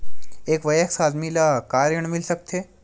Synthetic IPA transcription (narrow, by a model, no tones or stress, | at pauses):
eːkʋɐjəksaːd̪ʱmilakaːɾjəɽ̃mɪlsɐk̚t̪ʰeː